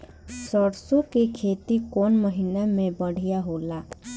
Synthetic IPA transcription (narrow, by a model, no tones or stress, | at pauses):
səɾsokekʰet̪ikonməɦinamẽbəɽ̤ijaɦola